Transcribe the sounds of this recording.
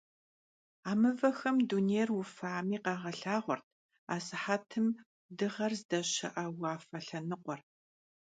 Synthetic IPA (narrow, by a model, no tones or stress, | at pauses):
aːmɨvɐxɐmduːneːrwʊfaːmiːqɑːʁɐɬaːʁʷɔrtʰ | aːsɨħatʰɨm | dɨʁɐrzdɐɕɐ̰ʔɐwɑːfɐɬɐnɨqʷɔr